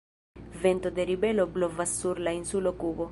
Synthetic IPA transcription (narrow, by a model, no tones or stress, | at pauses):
ve̞nt̪o̞d̪e̞ɾibe̞loblovasːuɾlainsulokubo̞